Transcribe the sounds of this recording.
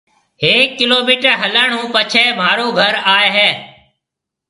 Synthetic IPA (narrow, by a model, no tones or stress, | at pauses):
ɦeːkːɪloːmiːʈəɾɦələːɳũːpət͡ʃʰeːmaːɾoːɡʱəɾaːeɦeː